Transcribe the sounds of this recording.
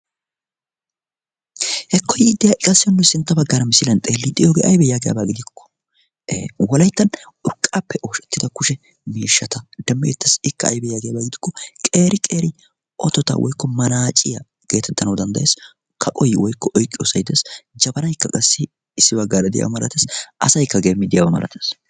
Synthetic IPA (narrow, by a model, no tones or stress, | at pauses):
hɛkʰːɔjɪd̪ːɪjaːʔɪkʼɐsːɪjɔnːʊsɪnt̪ːɐbɐɡːaːɾɐmɪsɪlɐnt̪ʼeːlːɪd̪ɪjoːɡeːʔɐ̰jbɛjaːɡɛja̰ːbaːɡɪd̪ɪkʰːɔ̥ | wɔlɐjt̪ːɐn | ʊɾkʼːaːpːɛʔo̞ːʃɛt̪ːɪd̪ɐkʊʃɛ | miːʃːɐt̪ɐd̪̥ɐmːḛːt̪ːɐsɪkːɐːjbɛjaːɡɛjaːbaːɡɪd̪ɪkːɔkʼe̞ːɾɪkʼe̞ːɾɪ | ʔɔ̰t̪ːɔt̪a̰wʔɔ̰jkːɔmɐnaːt͡ʃʼɪjɐ | ɡ̥e̞ːt̪ɛt̪ːɐnɐwd̪ɐnd̪ɐjeːs | kʰɐkʼɔjwɔjkːɔʔɔjkʼːɪjo̰ːsɐjd̪esd͡ʒɐbɐnɐjkːɐkʼɐsːɪ | ɪsːɪbɐɡːaːɾɐd̪ɛja̰wɐmɐlɐ̰t̪eːsʔɐ̰sɐjkːɐɡeːmːɪd̪ɪjawɐmɐ̰lʔɐ̰t̪eːs